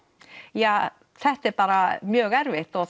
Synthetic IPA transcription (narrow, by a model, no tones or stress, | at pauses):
jaː | θɛht̪ɛɾpaːɾamjœːɣɛɾvɪht̪ɔ